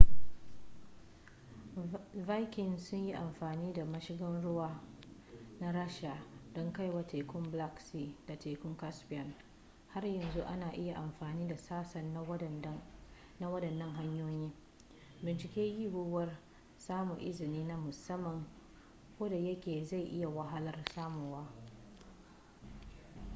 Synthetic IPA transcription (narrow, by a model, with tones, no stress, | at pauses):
va˦jkʲɪ˨nsʊ˦ɲji˦ʔa˨mɸaː˨niː˦da˨mɐ˦ʃɪ˦ɡɐ˦nɽʊ˦waː˦ | na˦ɾaː˦ʃa˨d̥ɔ˦ŋka˦jwa˨tʰe˨kʷʊ˦mbla˦ksiː˦da˨tʰeː˨kʷʊ˦ŋka˦spɪ˨jɔ˨n | ha˦rjɐ˨nzu˦ʔa˦naː˨ʔɪ˦ja˨ʔa˨mɸaː˨niː˦da˨saː˦sɐ˨n | na˦wɐ˦dɐ˨nːɐ˦ŋɦa˦ɲjoː˦jiː˦ | bɪ˨nt͡ʃɪ˨kʲeː˦ji˦ɡʊ˦wɐ˦r | saː˦mʊ˨ʔɪ˦zɪ˨niː˦na˦mʊ˨sɐ˦mːɐ˨ŋ | kʷoː˦da˨jɐ˦kʲeː˨za˦˨jʔɪ˦ja˨wa˨ɦa˦lɐ˦rsaː˦muː˨waː˦